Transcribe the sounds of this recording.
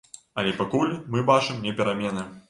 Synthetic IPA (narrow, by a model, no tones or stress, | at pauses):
ɐlʲɛpakulʲmɨbat͡ʂɨmnʲɛpʲɛɾamʲɛnɐ